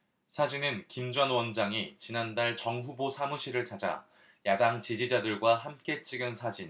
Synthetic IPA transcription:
sʰad͡ʑinɯnkimd͡ʑʌnwʌnd͡ʑaŋit͡ɕinandaɭt͡ɕʌŋɸubosʰamuɕʰiɾɯɭt͡ɕʰad͡ʑa̰ | jadaŋt͡ɕid͡ʑid͡ʑadɯɭɡwahamk͈e̞t͡ɕ͈iɡɯnsʰad͡ʑin

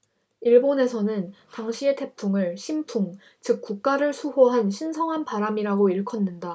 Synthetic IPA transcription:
iɭbone̞sʰʌnɯntaŋɕʰie̞tʰe̞pʰuŋɯɭɕʰimpʰuŋ | t͡ɕɯk̚k͈uk̚k͈aɾɯɭsʰuɦoɦanɕʰinsʰʌŋɦanpaɾamiɾaɡoiɭkʰʌnːɯnda

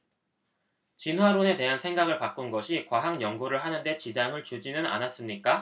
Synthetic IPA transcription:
t͡ɕinɦwaɾone̞te̞ɦansʰe̞ŋɡaɡɯɭpak͈unɡʌɕʰikwaɦaŋjʌŋɡuɾɯɭɦanɯnde̞t͡ɕid͡ʑaŋɯɭt͡ɕud͡ʑinɯna̰nas͈ɯmɲik͈a

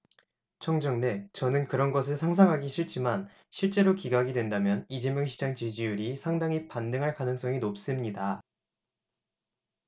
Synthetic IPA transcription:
t͡ɕʰʌŋd͡ʑʌŋne̞t͡ɕʌnɯnkɯɾʌnɡʌsʰɯɭsʰaŋs̬ʰaŋɦaɡiɕʰiɭt͡ɕ͈iman | ɕʰiɭt͡ɕ͈e̞ɾokiɡaɡidwe̞ndamjʌnid͡ʑemjʌŋɕʰid͡ʑaŋt͡ɕid͡ʑijuɾisʰaŋdaŋipandɯŋɦaɭkanɯŋs͈ʌŋinop̚s͈ɯmɲida

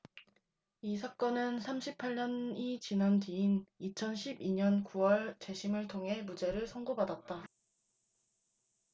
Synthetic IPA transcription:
isʰak͈ʌnɯnsʰamɕʰipʰaɭɲʌnit͡ɕinantiːnit͡ɕʰʌnɕʰibiɲʌnkuwʌɭt͡ɕe̞ɕʰimɯɭtʰoŋɦe̞mud͡ʑe̞ɾɯɭsʰʌŋɡobadat̚t͈a

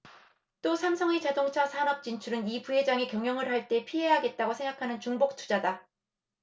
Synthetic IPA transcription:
t͈osʰamsʰʌŋet͡ɕadoŋt͡ɕʰasʰanʌp̚t͡ɕ͈int͡ɕʰuɾɯnipuɦe̞d͡ʑaŋe̞kjʌŋjʌŋɯɭɦaɭt͈e̞pʰiɦe̞ɦaɡe̞t̚t͈aɡosʰe̞ŋɡakʰanɯnt͡ɕuŋbok̚tʰu̥d͡ʑada

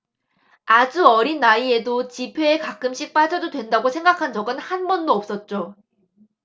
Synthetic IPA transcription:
ad͡ʑuʌɾinːaie̞dot͡ɕipʰe̞ːkak͈̚ɯmɕ͈ik̚p͈ad͡ʑʌdodwe̞ndaɡosʰe̞ŋɡakʰand͡ʑʌɡɯnhanbʌndoʌp̚s͈ʌt̚t͡ɕ͈o

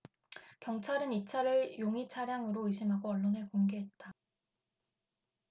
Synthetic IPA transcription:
kjʌŋt͡ɕʰaɾɯnit͡ɕʰaɾɯɭjoŋit͡ɕʰaɾjaŋɯɾoɯɕ̬ʰimɦaɡoʌɭːonekoŋɡeɦe̞t̚t͈a

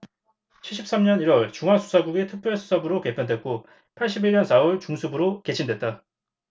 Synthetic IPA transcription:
t͡ɕʰiɭɕ͈ʰip̚s͈amɲʌniɾwʌɭt͡ɕuŋɦasʰu̥sʰaɡuɡetʰɯk̚p͈ʰjʌɭsʰu̥sʰabɯɾoke̞pʰjʌndwe̞k̚k͈o | pʰaɭɕ͈ibiɭɲʌnsʰaoɭt͡ɕuŋsʰubɯɾoke̞t͡ɕʰindwe̞t̚t͈a

